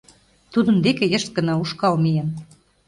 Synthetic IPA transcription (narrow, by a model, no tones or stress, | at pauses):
t̪ud̪ə̆nd̪ekejə̆ʃt̪̚ɡə̆nɑuʃkɑlmijen